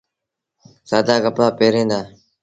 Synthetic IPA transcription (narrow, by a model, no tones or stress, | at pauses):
saːd̪aːɡəpɽaːpeːɾẽːnd̪aː